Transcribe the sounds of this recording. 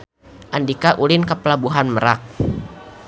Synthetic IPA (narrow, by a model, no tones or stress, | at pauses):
ʔandikaʔulɪnkəpəlabuɦanməɾak̚